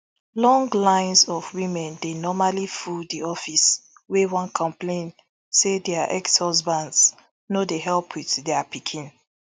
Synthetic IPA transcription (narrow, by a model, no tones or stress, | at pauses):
lɔ̃ŋɡlãɪ̃nsɔvwĩmɛ̃ndenɔmalifudiɔfis | wewɔ̃nkʰɔ̃mplẽn | sedɛaʔɛkshɔzbãnds | nodeɦɛlpʰwiðdɛapikʰĩn